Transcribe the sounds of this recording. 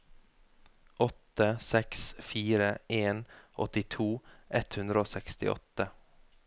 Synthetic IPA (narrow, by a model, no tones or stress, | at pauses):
ʔɔt̪əsɛksfiːɾəeːnʔɔ̰t̪ɪt̪ʰuːʔɛt̪hʉnd̪ɾəoːsɛkst̪ɪ̰ʔɔ̰t̪ə